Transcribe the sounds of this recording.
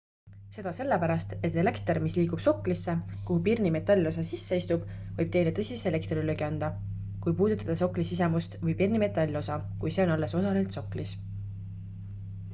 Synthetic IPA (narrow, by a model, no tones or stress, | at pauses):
se̞d̪̥ɑse̞lːepæɾɑst̪e̞t̪ːˑe̞le̞kt̪ermisliːɡub̥so̞klisːekuɦupirnime̞t̪ːɑlʲːo̞s̬ɑsisːe̞ist̪ub̥vɤjb̥̚t̪e̞jlet̪ɤsʲisele̞kt̪riløɡiɑnd̪̥ɑ | kujpuːd̪ut̪ːˑɑd̪̥ɑso̞kˑlisise̞must̪vɤjpirnime̞t̪ːˑɑlʲːo̞sɑkujse̞o̞nɑlːe̞so̞sɑlelt̪so̞klis